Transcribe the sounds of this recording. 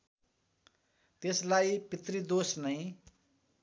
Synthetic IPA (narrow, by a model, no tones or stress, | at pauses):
t̪eslajpit̪rid̪osnʌj̃